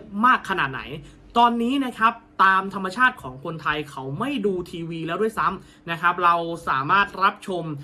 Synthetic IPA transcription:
maː˥˩kʰːa˧na̰ː˨˩t̪̚na̰˩˦j | t̪ɔː˧nːiː˦˥na˦˥kʰɾa˦˥p̚t̪aː˧mt̪ʰa˧mːa˧t͡ɕʰaː˥˩t̪̚kʰɔː˩˦ŋkʰo˧nt̪ʰa˧jkʰa˦˥wma˥˩jduː˧t̪ʰiː˧wiː˧lɛː˦˥wdu˥˩əjsa˦˥m | na˦˥kʰɾa˦˥p̚ɾa˧wsa̰ː˩˦maː˥˩t̪̚ɾa˦˥p̚t͡ɕʰo˧m

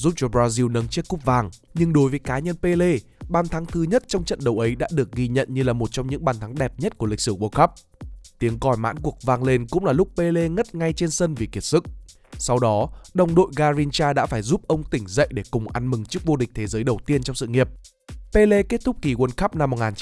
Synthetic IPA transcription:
zuː˦˥p̚t͡ɕɔ˨˦bɾaː˧zi˧wnə˨˦nt͡ɕi˦˥ət̚kʊ˦˥p̚vaː˨˩ŋ | ɲɨ˧ŋɗo˨˦jvəː˨˦jkaː˨˦ɲə˧npe˧le˧ɓaː˨˩nt̪ʰa˨˦ŋt̪ʰɨ˧ɲə˦˥t̚t͡ɕɔ˧wŋ͡mt͡ɕə̰˧˨nɗə˨˩wʔə˨˦jɗa̰ː˧˥ɗɨ˨˩ək̚ɣi˧ɲə̰˧˨nɲɨ˧laː˨˩mo˨˩t̚t͡ɕɔ˧wŋ͡mɲɨ̰˧˥ŋɓaː˨˩nt̪ʰa˨˦ŋɗɛ˨˩p̚ɲə˦˥t̚ku˧˩əli˨˩k̟̚sɨ˧˩kwə˧˩xa˦˥p̚ | t̪i˨˦əŋkɔ˧˩jma̰ː˧˥nku˨˩ək̚vaː˧ŋle˧nkʊ̰˧˥ŋ͡mlaː˨˩lʊ˦˥k͡p̚pe˧le˧ŋə˦˥t̚ŋa˧jt͡ɕe˧nsə˧nvi˨˩ki˨˩ət̚sɨ˦˥k̚ | sa˧wɗɔ˨˦ɗə˨˧˩wŋ͡mɗo̰˧˨jɣaː˧zi˧nt͡ɕaː˧ɗa̰ː˧˥faː˧˩jzu˦˥p̚ʔə˧wŋ͡mt̪ï˧˩ŋ̟zə̰˧˨jɗe˧˩kʊ˨˩ŋ͡mʔa˧nmɨ˨˩ŋt͡ɕɨ˦˥ək̚vo˧ɗï˨˩k̚t̪ʰe˨˦zəː˨˦jɗə˨˩wt̪i˧ənt͡ɕɔ˧wŋ͡msɨ̰˧˨ŋi˨˩əp̚ | pe˧le˧ke˦˥t̚t̪ʊ˦˥k͡p̚ki˧˩kwə˧nxa˦˥p̚na˧mː˨˩t̚ŋaː˨˩n˦

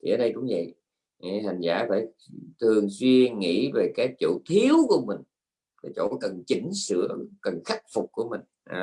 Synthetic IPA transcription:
t̪ʰi˨˩əː˨˦ɗə˧jkʊ̰˧˥ŋ͡mvə̰˧˨j | ha˨˩jŋ̟zaː˧˩faː˧˩j | t̪ʰɨ˨˩əŋswi˧əŋḭ˧˥ve˨˩kaː˨˦jt͡ɕo̰˧˩t̪ʰi˨˦əwku˧˩əmï˨˩ŋ̟ | va˨˩t͡ɕo̰˧˥kə˨˩nt͡ɕi˧˩˦ŋ̟sɨ̰˧˥əkə˨˩nxa˦˥k̟̚fʊ˨˩k͡p̚kːu˧˩əmï˨˩ŋ̟ʔ

